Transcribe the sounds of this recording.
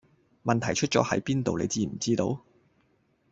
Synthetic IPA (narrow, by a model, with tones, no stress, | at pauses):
mɐ˨nt̪ʰɐ˨˩jt͡ʃʰɵ˥t̚t͡sɔ̰ː˨˥hɐ̰˨˥jpiː˥nt̪o˨wlḛ˨˧jt͡siː˧˩m̩˨˩t͡siː˥t̪o̰˧w